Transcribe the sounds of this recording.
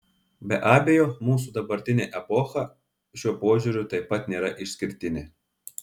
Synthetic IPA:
bʲɛʔɑːbʲeːjoːmuːs̬ud̪ɐbɐɾʲt̪ʲɪnʲeʔɛpɔːxɐ | ʃʲuɔpoːʒʲuɾʲʊt̪ɐɪpːɐt̪nʲeːɾɐʔɪʃʲsʲkʲɪɾʲt̪ʲɪnʲɪ

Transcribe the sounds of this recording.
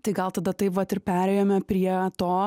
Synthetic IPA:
t̪ɐɪɡɐlˠt̪ɐd̪ɐt̪ɐɪpʋɐt̪ɪrpʲæːɾʲɛjoːmʲɛpʲɾʲiɛt̪oː

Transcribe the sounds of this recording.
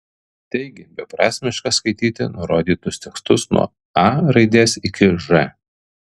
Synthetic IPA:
t̪ʲɛɪɡʲɪbʲɛpɾɑːsʲmʲɪʃkɑskɐɪt̪ʲiːt̪ʲɪ̰nʊɾoːd̪ʲiːt̪ʊsʲt̪ʲɛkst̪ʊsnṵɔ̰ | ɑɾɐɪd̪ʲeːsɪkʲɪʒɛ

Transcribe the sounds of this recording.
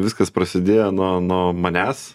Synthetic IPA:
ʋʲɪskɐspɾɐsʲɪd̪ʲeːjɛnuɔnuːmɐnʲæːs

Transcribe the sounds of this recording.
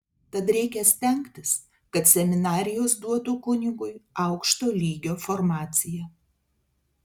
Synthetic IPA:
t̪ɐt̪ɾʲɛɪkʲɛsʲt̪ʲɛŋkt̪ʲɪs | kɐt̪sʲɛmʲɪnɑːɾʲɪjoːsd̪uɔt̪uːkʊnʲɪɡʊɪɐʊkʃt̪oːlʲiːɡʲoːfoɾmɑːt̪sʲɪjɛ

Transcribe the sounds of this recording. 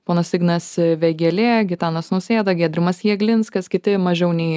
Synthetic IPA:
poːnɐsɪɡnɐsʋʲɛɡʲɛlʲeːɡʲɪt̪ɑːnɐsnʊsʲeːd̪ɐɡʲiːd̪ʲɾʲɪmɐsjiːɛɡlʲɪnskɐskʲɪt̪ʲɪmɐʒʲɛʊnʲɛɪ

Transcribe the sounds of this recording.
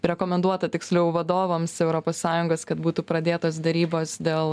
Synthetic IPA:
ɾʲɛkoːmʲɛnd̪uɔt̪ɐt̪ʲɪksʲlʲɛʊʋɐd̪oːʋoːmsɛʊɾoːpoːssɑːjʊŋɡoːskɐt̪̚buːt̪upɾɐd̪ʲeːt̪oːs̬d̪ʲɛɾʲiːboːsd̪ʲeːlˠ

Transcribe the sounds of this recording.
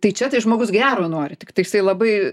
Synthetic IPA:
t̪ɐɪt͡ʃʲɛt̪ɐɪʒmoːɡʊsɡʲæːɾoːnoɔɾʲɪt̪ʲɪkt̪ɐɪjɪsɐɪlˠɐbɐɪ

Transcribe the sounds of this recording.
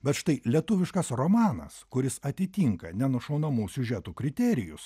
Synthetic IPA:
bʲɛt̪ʃt̪ɐɪlʲiɛt̪ʊʋʲɪʃkɐsromɑːnɐ̰skʊɾʲɪsɐt̪ʲɪt̪ʲiŋkɐnʲɛnʊʃɐʊnɐmuːsʲʊʒʲɛt̪uːkɾʲɪt̪ʲɛɾʲɪjʊs

